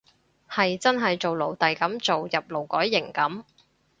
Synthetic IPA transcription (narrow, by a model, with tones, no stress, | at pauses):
hɐ˨jt͡sɐ˥nɦɐ˨jt͡so˨wlo˨˩wt̪ɐ˨jkɐ˨˥mt͡so˨wjɐ˨p̚lo˨˩wkɔː˨˥jːɪ˨˩ŋkɐ˨˥m